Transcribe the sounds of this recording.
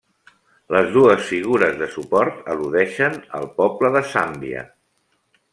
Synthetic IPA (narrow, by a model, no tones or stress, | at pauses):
ləzðuəsfiɣ̞uɾəzðəsupɔɾt̪əluðɛʃənə̰lˠpɔbləðəsambiə̰